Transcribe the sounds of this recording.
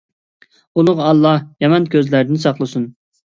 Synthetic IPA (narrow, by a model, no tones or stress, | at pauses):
ulˠʊʁɑlˠːɑhjɑmɑnkʲøzlæɾd̪ɪnsɑχlˠɨsun